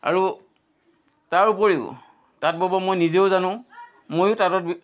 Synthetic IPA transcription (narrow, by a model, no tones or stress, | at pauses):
a̰ɹu | taɹupoɹiʊ̰ | tat̚bɔbɔmojnizeʊzanʊ̃ | mojʊtatɔt̚b